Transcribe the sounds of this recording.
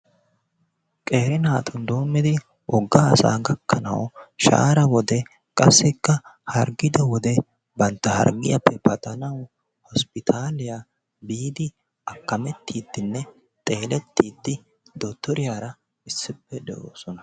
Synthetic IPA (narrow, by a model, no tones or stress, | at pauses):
kʼe̞ːɾɪnaːt̪ʰʊnd̪o̞ːmːɪd̪ɪ | ʔɔɡːaɐsa̰ːɡɐkʰːɐnɐ̰wʃa̰ːɾɐwɔd̪ɛ | kʼɐsːɛkːɐhɐɾɡɪd̪ɐwɔd̪ɛ | bɐnt̪ːɐhɐ̰ɾɡɪjɐpʰːɛpɐt̪ʼɐnɐw | hɔspɪt̪ʰaːlɪja | biːd̪ɪ | ɐkːɐmɛt̪ʰːiːd̪ːɪnːɛ | t̪ʼe̞ːlɛt̪ːiːd̪ːɪ | d̪ɔt̪ːɔɾɪjaːɾɐ | ɪsːɪpːɛd̪ɛ̰ʔo̰ːsɔnɐ̥